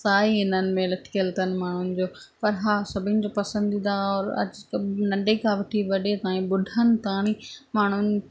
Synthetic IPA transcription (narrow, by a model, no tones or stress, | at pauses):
saːiɦɪnənɪ̆mẽlɐʈʰkiəlt̪ənɪ̆maːɳ̤ʊnɪ̆d͡ʑoː | pɐɾɦaːsɐbʱɪ̃nɪ̆d͡ʑoːpɐsə̃nd̪ĩnaɔːɾɐ̰d͡ʑknɐ̃ɳɖekʰãːʋɐʈʰiʋɐɗet̪ãːĩɓʊɖʱənɪ̆t̪aːɽ̃ĩmaːɳ̤ʊnɪ̆